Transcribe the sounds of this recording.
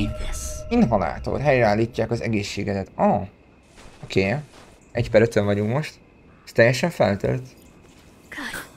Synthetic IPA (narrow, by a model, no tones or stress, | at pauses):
inɦɒla̰ːt̪o̰lɦɛjɾɛaːlːiːcːaːkɒzɛ̰ɡeːʃːeːɡɛd̪ɛt̪ɒ | okʰeː | ɛcpɛɾøt̪øɱvɒɟuŋkmo̞ʃt̪ | st̪ɛjːɛʃɛɱfɛlt̪ø̰lt̪ | k